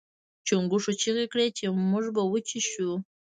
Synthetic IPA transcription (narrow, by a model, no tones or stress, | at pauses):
t͡ʃoŋɡuʂot͡ʃiɣekɽet͡ʃemʊʐbawət͡ʃiʃu